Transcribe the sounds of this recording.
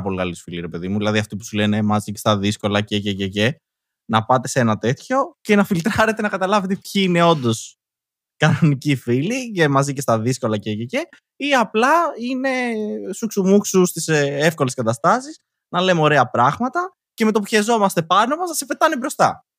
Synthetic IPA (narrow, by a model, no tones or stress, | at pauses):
ɐpo̞likɐlisfiliɾepe̞ðimuðilɐðiɐft̪ipu̥sule̞ne̞mɐzicest̪ɐðisko̞lɐcececece̞ | nɐpɐt̪e̞se̞nɐt̪e̞t̪ço̞ce̞nɐfilt̪ɾɐɾet̪̬enɐkɐt̪ɐlɐvet̪e̞pçiine̞o̞nd̪o̞s | kɐnonicifilicemɐzicest̪ɐðisko̞lɐcecece | iɐplɐine̞suksumuksust̪isefko̞le̞skɐt̪ɐst̪ɐsis | nɐlemeo̞ɾe̞ɐpɾɐɣmɐt̪ɐ | ce̞me̞t̪opuçezo̞mɐst̪e̞pɐno̞mɐznɐsepe̞t̪ɐnibɾo̞st̪ɐ